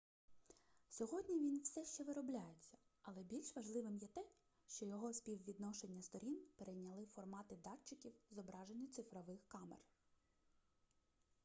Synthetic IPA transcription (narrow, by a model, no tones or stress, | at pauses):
sʲɔɦɔdʲnʲiʋʲinwsɛʃt͡ʃɛʋɪɾɔblʲajet͡sʲːɐ̥ | ɐlˠɛbʲilʲʃʋɐʒlˠɪʋɪmjɛt̪ɛ | ʃt͡ʃɔjɔɦɔspʲiwʋʲid̪nɔʃenʲːɐst̪ɔɾʲinpeɾejnʲɐlˠɪfɔrmɑt̪ɪd̪ɑt͡ʃːɪkʲiwzɔbɾɑʒenʲːʊt̪sɪfɾɔʋɪxkɑmḛr